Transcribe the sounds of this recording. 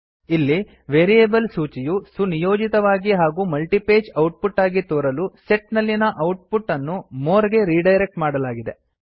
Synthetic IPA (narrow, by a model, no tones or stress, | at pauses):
ilːi | ʋeːɾijeːbɐlsuːt͡ʃijusunijoːd͡ʒit̪ɐʋaːɡiɦaːɡuːmɐlʈipeːd͡ʒɐwʈ̚puʈːaːɡit̪oːɾɐluseʈnɐlːinɐʔɐwʈ̚puʈːɐnːumoːɾɡe̞ɾiːɖɐjɾe̞k̚ʈmaːɽɐlaːɡid̪e̞̰